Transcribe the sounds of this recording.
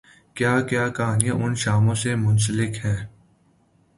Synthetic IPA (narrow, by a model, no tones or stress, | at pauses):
kjaːkjaːkaːnijãʔʊnʃaːmõsemʊns̬əlɪkhɛ̃ː